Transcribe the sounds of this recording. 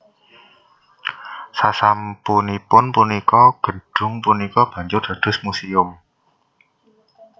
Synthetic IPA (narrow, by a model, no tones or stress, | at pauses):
sasampunipʊnpunikɔɡ̥ə̤ɖ̥ʊ̤ŋpunikɔb̥ä̤ɲd͡ʒʊrd̪̥a̤d̪̥ʊ̤smusiʊm